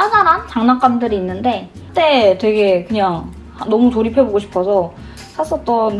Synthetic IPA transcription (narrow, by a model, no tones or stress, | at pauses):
ad͡ʑaɾant͡ɕaŋnak͈amdɯɾiːnːɯnde̞ | t͈e̞twe̞ɡe̞kɯɲaŋ | hnʌmutoɾipʰeboɡoɕʰi̥pʰʌsʰʌ | sʰasʰʌt͈ʌn